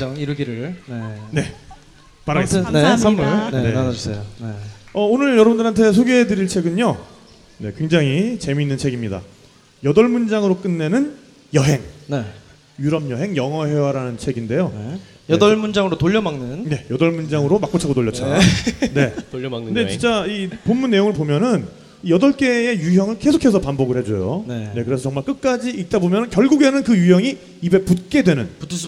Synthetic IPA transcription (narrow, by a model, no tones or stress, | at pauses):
ʌŋiɾɯɡiɾɯɭnene̞ | paɾanesʰʌmuɭneneansʰejoneʌonɯɭjʌɾʌbɯndɯɾɦantʰe̞s̬ʰoɡeɦedɯɾiɭt͡ɕʰe̞ɡɯɲo | ne̞kwe̞ŋd͡ʑaŋit͡ɕe̞miːnːɯnt͡ɕʰe̞ɡimɲida̰ | jʌdʌɭmund͡ʑaŋɯɾok͈ɯnːe̞nɯn | jʌɦe̞ŋne̞ | juɾʌmjʌɦe̞ŋjʌŋʌɦe̞waɾanɯnt͡ɕʰe̞ɡinde̞joe | jʌdʌɭmund͡ʑaŋɯɾotoʎːʌmaŋnɯnne̞jʌdʌɭmund͡ʑaŋɯɾomak̚p͈ot͡ɕʰaɡotoʎːʌt͡ɕ͈ʰane̞tɯnde̞t͡ɕint͡ɕ͈aiponmunːe̞joŋɯɭpomjʌnɯn | ijʌdʌɭk͈e̞ejuɦjʌŋɯɭke̞sʰokʰe̞sʰʌpambʌɡɯɭhe̞d͡ʑojo̰nene̞kɯɾesʰʌʌŋmaɭk͈ɯk̚k͈ad͡ʑiʔit̚t͈abomjʌnɯnkjʌɭɡuɡe̞nɯnkɯjuɦjʌŋi | ibe̞put̚k͈edwe̞nɯnputʰs